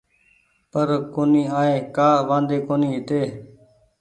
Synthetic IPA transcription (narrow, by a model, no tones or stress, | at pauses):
pəɾkoːniːaːeːkaːʋãːnd̪eːkoːniːɦɪt̪eː